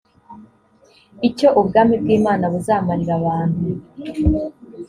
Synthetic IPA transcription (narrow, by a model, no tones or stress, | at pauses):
ico̞ʔubɡaːmibɡiːmaːnaβuzaːmaɾiɾaβaːn̥hu